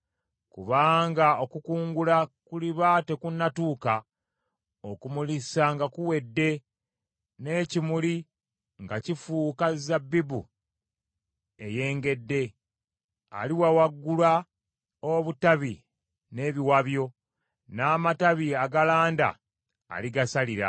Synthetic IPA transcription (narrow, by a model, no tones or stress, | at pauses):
kuβaːŋɡao̞kukuːŋɡulakuliβate̞kunːatuːka | okumulisaŋɡakuwe̞dːe̞ | ne̞cimuli | ŋɡacifuːkazabːibṵ | e̞je̞ːŋɡe̞dːe̞ | a̰liwawaɡːulwa | oβutaβi | ne̞ːβiwaβjo̞ | naːmataβiaɡalaːnda̰ː | liɡasaliɾa̰